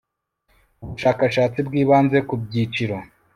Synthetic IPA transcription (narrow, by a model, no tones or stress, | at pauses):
uβuʃaːkaʃaːt͡sibɡiːβaːnze̞kub̚ɟiːt͡ʃiɾo̞